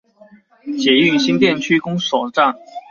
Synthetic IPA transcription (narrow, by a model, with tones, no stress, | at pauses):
t͡ɕjɛ˨˩˦y˥˩ɕi˥ŋt̪jɛ˥˩nt͡ɕʰy˥kʊ˥ŋʂɔ˨˩ʈ͡ʂa˥˩ŋ